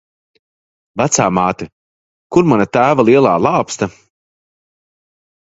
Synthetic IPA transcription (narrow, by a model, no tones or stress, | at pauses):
væt̪saːmaːt̪ɨ | kuɾmanat̪æːvalˠiɛlˠaːlˠaːpst̪a